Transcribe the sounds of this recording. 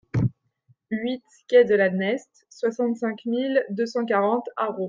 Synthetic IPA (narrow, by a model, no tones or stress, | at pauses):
ɥit̪ | kʲɛd̪əlanɛst̪swasɑ̃t̪sɛ̃kmild̪øsɑ̃k̬aʁɑ̃t̪aʁo